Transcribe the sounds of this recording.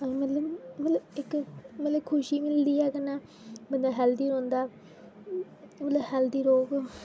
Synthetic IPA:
mət̪ləbmət̪ləbɪkmət̪ləbkʰʊʃiːmɪld̪iːɛːkənaː | bənd̪ãːɦɛːld̪iːɾõːnd̪aː | mət̪ləbɦɛːld̪iːɾoːɡ

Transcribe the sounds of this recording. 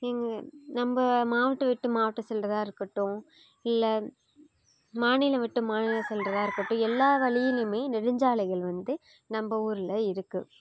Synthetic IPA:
ɛŋɡɐnɐmbɐmaːʋɐʈːɯʋɪʈːɯmaːʋɐʈːɯsɛlrɐðãːɪɾɯkːɐʈːʊ̃ | ɪlːɐ | maːnɪlɐʋɪʈːɯmaːnɪlɐsɛlrɐðaːɪɾɯkːɐʈːʊ̃ɛlːaːʋɐɭɪjɪlɯmeːnɪɾɪɲd͡ʒaːɭɐɪɣɐɭʋɐnd̪ɯ | nɐmbɐuːɾɪlɐɪɾɯkːɯ

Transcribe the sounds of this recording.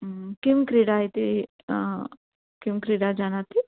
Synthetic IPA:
kɪmkɾiːɖait̪i | kɪmkɾiːɖad͡ʒaːnat̪i

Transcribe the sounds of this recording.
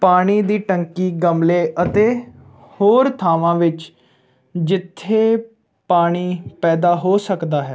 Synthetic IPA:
paːɽ̃iːd̪iːʈəŋkiːɡəmleːʔət̪eː | hoːɾt̪ʰaːʋãːʋɪt͡ʃ | d͡ʒɪt̪ʰːeː | paːɽ̃iːpɛːd̪aːɦoːsəkd̪aːɦɛː

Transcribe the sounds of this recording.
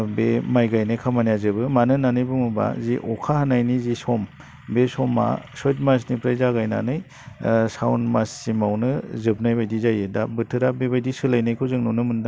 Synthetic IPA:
bemajɡajnajkʰamanijazɯbɯmanɯnanɯjbɯmuba̰ziʔɔkʰahanajnizisɔm | besɔma̰sɔjt̬̚mas̬nipɾajzaɡajna̰nɯj | sawnmasːimawnɯzɯpnajbajdizajɯdabɯtʰɯɾabebajdisɯlajnɯjkʰɯwzɯŋnunɯmɯnda

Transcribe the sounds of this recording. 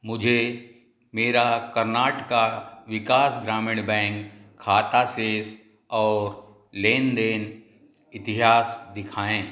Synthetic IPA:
mʊd͡ʒʱe | meːɾakɐɾnaːʈəkaʋɪkaːsɡɾaːmɪɽ̃bɛ̃ːŋkʰːaːt̪aseːs | ɔːɾ | leːnd̪eːn | ɪt̪ɪɦaːsd̪ɪkʰaːẽː

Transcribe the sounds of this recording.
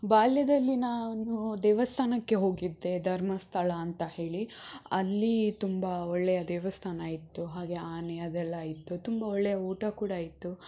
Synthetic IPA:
baːljɐd̪ɐlːinaːnud̪ɛːʋɐst̪ʰaːnɐkːe̞ɦo̞ːɡid̪ːe̞d̪ʱɐɾmɐst̪ʰɐɭɐːnt̪ɐhe̞ːɭiɐlːit̪umbɐɔɭːɛjɐd̪ɛːʋɐst̪ʰaːnɐaːjit̪ːuɦaːɡe̞aːnɛjɐd̪ɛlːaːjit̪ːut̪umbɐɔɭːɛjɐuːʈɐkuːɽɐːjit̪ːu

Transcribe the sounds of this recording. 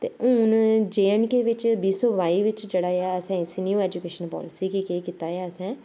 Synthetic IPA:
t̪eːʔʊːnd͡ʒeːnkeʋɪt͡ʃbiːsɔːʋaːiːʋɪt͡ʃd͡ʒeːɽaːaːəsɛ̃ɪsnjuːɛːd͡ʒukeːʃənpɔ̰ːlɪsiːkikeːkɪt̪aːjaːəsɛ̃ː

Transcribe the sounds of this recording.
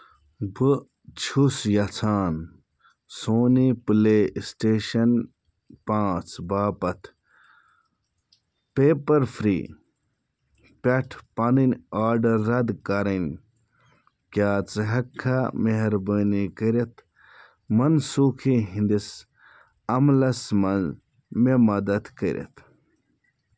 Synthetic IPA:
bɨ | t͡ʃʰusjɐt͡sʰaːn | soːnipɨleːsʈeːʃɐn | pãːt͡sbaːpɐt̪ʰ | peːpɐɾfɾḭː | pʲeʈʰpɐninaːɖɐɾːɐd̪kɐɾɐn | kjaːt͡sɨɦɐkʰːameɦɾbəːnikəɾet̪ | mɐnsuːkʰiɦĩnd̪is | ɐmlɐsmɐn | memɐd̪ɐt̪kəɾʲʔḛt̪ʰ

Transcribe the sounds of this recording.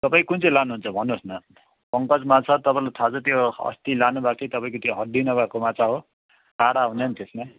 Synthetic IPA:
t̪ʌpaĩkunt͡sʰʌlanuɦunt͡sʰʌbʱʌnːosnʌ | pʌŋkʌd͡zmat͡sʰʌt̪ʌpaĩlat̪ʰat͡sʰʌt̪joʌ̰st̪ilanubak̚t͡sʰʌjt̪ʌpaĩkot̪joɦʌɖinʌbakomat͡saɦo | kaɽaɦuneʌnt̪esma

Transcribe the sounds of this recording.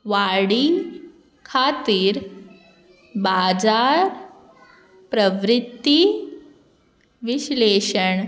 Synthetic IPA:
ʋaɽi | kʰat̪iːɾ | bad͡zaɾ | pɾəʋɾit̪ːi | ʋiɕleɕəɳ

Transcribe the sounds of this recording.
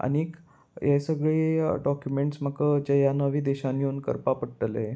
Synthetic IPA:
a̰nik | jesəɡɭeɖɔkjumeɳʈsm̤əkəd͡ʑajanəʋiːd̪eɕanːiunkə̰ɾpapəɽʈəle

